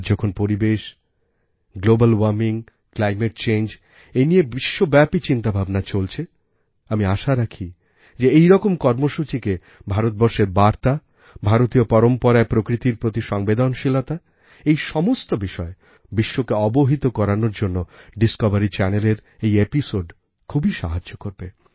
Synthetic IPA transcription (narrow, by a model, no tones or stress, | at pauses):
d͡ʑɔkʰonpoɾibeʃ | ɡlobalwaɾmiŋ | klajmeʈ̚t͡ɕejnd͡ʑ | enijebiʃːobɛpit͡ɕint̪abʱabnat͡ɕolt͡ɕʰe | amiaʃaɾakʰi | d͡ʑeejɾɔkomkɔɾmoʃut͡ɕike | bʱaɾot̪̚bɔɾʃeɾbaɾt̪a | bʱaɾot̪iopɔɾompoɾaepɾokɾit̪iɾpɾot̪iʃɔŋbed̪onʃilot̪a | ejʃɔmost̪obiʃɔe | biʃːokeɔboɦit̪okɔɾanoɾd͡ʑonːoɖiskɔbaɾit͡ɕɛneleɾ | ejepisoɖ | kʰubʱiʃa̰ɦad͡ʑːokoɾbe